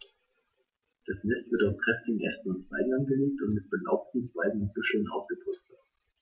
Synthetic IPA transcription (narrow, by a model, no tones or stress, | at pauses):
d̥asnɛstv̥ɪɐtaʊskʁ̥ɛftɪɡŋ̩ʔɛstn̩ʊntt͡sv̥a̰ɪɡŋ̩anɡəleːk̚tʊntmɪt̚b̥əlaʊp̚tn̩t͡sv̥aɪɡŋ̩ʊntb̥ʏʃl̩nʔa̰ʊsɡ̥əpʰʊt͡st